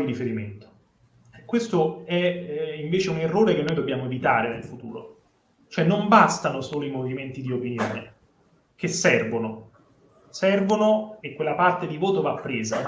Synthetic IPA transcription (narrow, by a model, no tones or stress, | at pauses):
iɾifeɾiment̪o̥ | ɛkːwest̪oɛiɱveːt͡ʃeunerːoːɾekenːoːjd̪obːjaːmoevit̪a̰ːɾenḛlfut̪ṵːɾo̰ | t͡ʃoɛnːombast̪anosoːloimoviment̪id̪iopinjo̰ːnḛ | kesːɛrvono | sɛrvonoekːwelːapart̪ed̪ivoːt̪ovapːɾeːza